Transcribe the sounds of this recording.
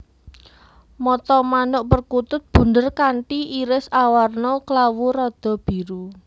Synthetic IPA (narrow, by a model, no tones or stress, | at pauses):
mɔt̪ɔmanʊʔpərkut̪ʊt̪̚b̥ṳndərkaɳʈiʔiɾɪsawarnɔklawuɾɔd̪̥ɔ̤b̥i̤ɾu